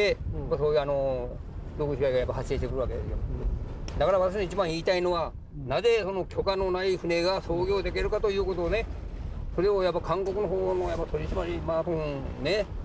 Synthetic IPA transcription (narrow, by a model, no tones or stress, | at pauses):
ekasoːjɯːano̞ | dokɯɕiaiɡajapːaɦaɕeːɕtekɯɾɯβake̞d̪e̞sɨjo̞̰ | d̪akaɾaβat̪aɕ̬inoit͡ɕibãɰ̃iːt̪aino̞βa | naze̞so̞no̞kʲo̞kano̞naiɸɯ̟ne̞ɡaso̞ːɡʲo̞ːd̪e̞k̬ʲe̞ɾɯ̟kat̪o̞jɯ̟ːko̞t̪oːne̞ | so̞ɾe̞ojapːakʰãŋko̞kɯ̟no̞ɦoːno̞japːat̪o̞ɾʲiɕimaɾʲimaːt̪ohõne̞